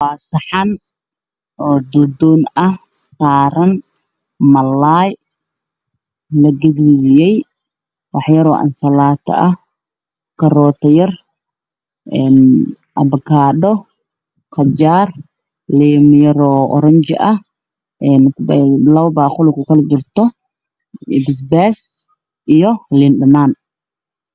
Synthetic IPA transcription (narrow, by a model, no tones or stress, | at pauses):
faːsɐħɑn | ʔɔːd̪ʊd̪ɔːnɐhsaːɾɐn | mɐlːaːj | lɐɡɐðiðɪjɛj | wɑħjɐɾɔːʔɐ̰nsɐlaːt̪ʰɐ̰ʔɐh | kʰɐrɔːt̪ʰɐjɐr | ʔɛn | ʔɐbkʰaːɗɔ | qɑd͡ʒaːr | liːmjɐɾɔːʔɔ̰ɾɐɲt͡ʃɪ̰ʔɐh | ʔɛnlɐwbaːχʊlɪkʰʊkɐlt͡ʃɪrt̪ɔ | ɪbs̬bɛːs | ʔijɔliːnɖɐnaːn